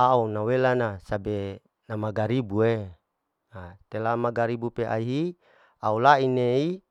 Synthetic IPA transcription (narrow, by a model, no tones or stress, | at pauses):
aunawelanasabe | namaɡaɾibue | at̪elamaɡaɾibupeʔa̰iɦi | aulainei